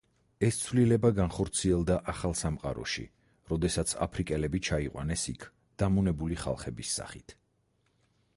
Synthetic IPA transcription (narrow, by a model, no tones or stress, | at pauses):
ɛst̪sʰvlilɛbaɡanχɔɾt̪sʰiɛlˠd̪aʔaχalˠsamqʼa̰ɾɔ̰ʃḭ | ɾɔd̪ɛsat̪sʰa̰pʰɾikʼɛlɛbit͡ʃʰaiqʼwa̰nɛsḭkʰ | d̪̥amunɛbuliχa̰lˠχɛbisːa̰χit̪ʰ